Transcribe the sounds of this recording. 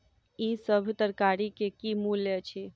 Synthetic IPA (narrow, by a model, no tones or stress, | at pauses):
isəbʱt̪əɾkaɾikekimulːet͡ʃʰi